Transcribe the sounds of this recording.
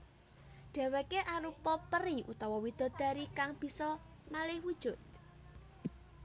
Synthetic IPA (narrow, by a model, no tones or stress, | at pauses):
ɖ̪̥a̤wekeʔaɾupɔpəɾiṵt̪ɔwɔwid̪̥ɔ̤d̪̥a̤ɾikaŋb̥i̤sɔ | malɪhwud̥ʒ̥ʊ̤t̪̚